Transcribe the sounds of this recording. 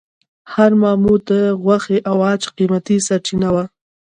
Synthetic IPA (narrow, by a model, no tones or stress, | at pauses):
haɾmɑmut̪əɣwaxeʔawat͡ʃqimat̪isaɾt͡ʃinawa